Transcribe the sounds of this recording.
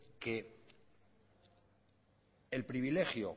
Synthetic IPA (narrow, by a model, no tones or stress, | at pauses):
ke̞ | elpɾiβile̞xjo̰